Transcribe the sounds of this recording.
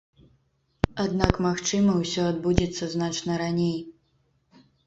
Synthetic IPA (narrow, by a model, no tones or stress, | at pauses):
ad̪nakmaxt͡ʂɨmɐwsʲɔad̪̚bud͡zʲɛt̪sːɐznat͡ʂnɐɾanʲej